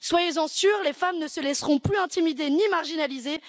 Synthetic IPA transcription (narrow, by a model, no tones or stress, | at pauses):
swajezɑ̃syʁlefamnəsəlɛsʁɔ̃plyɛ̃t̪imid̪enimaʁʒinalize